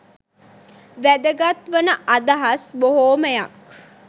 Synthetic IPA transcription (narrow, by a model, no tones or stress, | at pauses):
ʋæd̪əɡat̪ʋənəʔad̪aɦasboɦoːməja̰k̚